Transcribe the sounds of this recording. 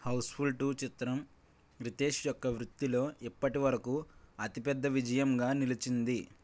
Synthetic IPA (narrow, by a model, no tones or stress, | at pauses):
hɐwspʰulʈut͡ʃit̪ɾɐm | ɾit̪eːʃjɔkːɐʋɾut̪ːilo̞ːʔipːɐʈiʋɐɾɐkuːɐt̪ipɛd̪ːɐʋid͡ʒɐjɐmɡaːnilit͡ʃind̪i